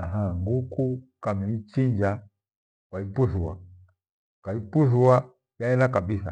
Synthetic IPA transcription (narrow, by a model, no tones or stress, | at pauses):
aɦaŋɡukukamiit͡ʃiɲd͡ʒa | kwaipuθuwa̰ | kaipuθua | jjaɛlakabisa̰